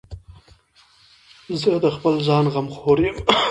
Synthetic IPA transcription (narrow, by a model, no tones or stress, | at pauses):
zəd̪əxpəlzɑnʁamxoɾjɪm